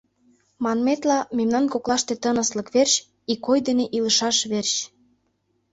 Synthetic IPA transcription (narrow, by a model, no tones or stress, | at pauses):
mɑnmet̪lɑmemnɑnkoklɑʃt̪et̪ənə̆sləkβerɕ | ikojd̪eneʔilə̆ʃɑʃβerɕ